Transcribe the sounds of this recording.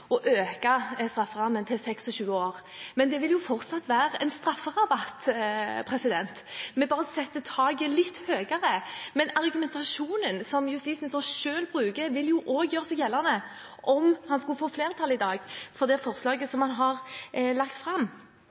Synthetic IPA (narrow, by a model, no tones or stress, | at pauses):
ɔʔøːkɑst̪ɾɑfːəʁɑmːənt̪ʰɪlsɛksɔɕʉːəoːʁ | mɛnd̪ɛʋɪljʊfɔʁt̪sɑt̪ːʋæːɾəɛnst̪ɾɑfːəʁɑbɑt̪ːpʰɾɛsɪd̪ɛnt̪mɛbɑːʁəsɛt̪ːət̪ʰɑːɡəlɪt̪ːhøːɡəɾəmɛnɑʁɡʉmɛnt̪ɑʃuːnənsɔmjʊst̪iːsnɛsɔnʃøːlbʁʉːɡəʋɪljʊʔoːɡjøːɾʁsɛɡjɛlːənə | ʔɔmhɑnskʉlfoːfleːɾət̪ʰɑlːɪd̪ɑːɡfɔʁd̪ɛfɔʁslɑːɡəsɔmhɑnɦɑʁlɑkt̪fʁɑmː